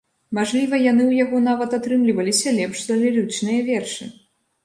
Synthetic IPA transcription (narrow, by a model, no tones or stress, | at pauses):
maʐlʲivɐjanɨwjaɣɔn̪avɐt̪at̪ɾɨmlʲivɐlʲisʲɐlʲɛpʂd̪ɐlʲirɨt͡ʂnɨjɐvʲɛrʂɨ̰